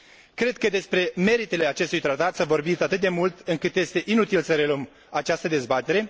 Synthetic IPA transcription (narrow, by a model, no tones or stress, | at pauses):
kɾe̞d̪̚kəd̪e̞spɾe̞me̞ɾit̪e̞le̞at͡ʃe̞st̪ujt̪ɾat̪at̪səvo̞rbit̪at̪ɨt̪̚d̪e̞mult̪ɨŋkɨt̪je̞st̪e̞ʔinut̪ilsəɾe̞ləm | at͡ʃast̪əd̪e̞zbat̪e̞ɾe̞